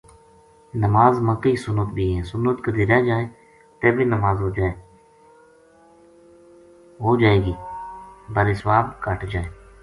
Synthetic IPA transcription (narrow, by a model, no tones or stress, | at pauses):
nəmaːzməkiːsʊnət̪bʱiːɦɛ̃ːsʊnːət̪kəd̪iːɾaːd͡ʒaːeː | t̪eːbʱiːnəmaːzɦoːd͡ʒaːeː | ɦoːd͡ʒaːeːɡiː | bəɾeːsʋaːbkəʈʰd͡ʒaːeː